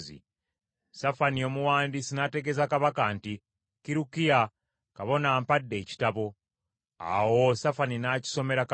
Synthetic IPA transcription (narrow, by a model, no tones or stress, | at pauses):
zḭ | safanio̞muwaːndisinate̞ɡe̞zakaβakanti | kiɾukija | kaβo̞naːmpadːe̞ːci̥taβo̞ | a̰wo̞safaninaci̥so̞me̞ɾak